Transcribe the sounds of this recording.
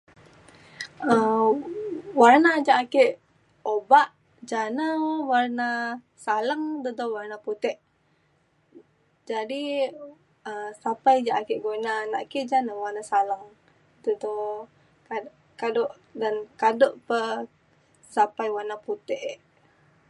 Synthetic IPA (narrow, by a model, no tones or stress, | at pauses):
ə | warnad͡ʒaʔakeʔ | obaʔ | d͡ʒanəwarna | salaŋd̪ud̪owarnaput̪ɛʔ | d͡ʒadi | əsapajd͡ʒaʔakeʔɡonana̰ʔkeʔd͡ʒanəwarnasalaŋ | d̪udo | a | kadoʔ | dankadoʔpə | sapajwarnaput̪ɛʔʔ